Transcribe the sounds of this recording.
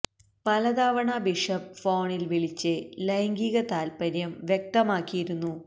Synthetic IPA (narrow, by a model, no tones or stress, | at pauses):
pɐlɐd̪aːʋɐɳɐbiʂɐpfo̞ːɳilʋiɭit͡ɕːɨlɐjɐŋɡiːɣɐt̪aːlpɐɾjɐmʋjek̚t̪ɐmaːkːijiɾunːu